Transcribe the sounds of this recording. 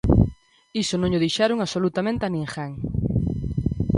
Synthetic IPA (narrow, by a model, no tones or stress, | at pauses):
isʊnõŋʎʊðejʃaɾʊŋaβsolut̪amẽnt̪ɪanĩŋxaŋ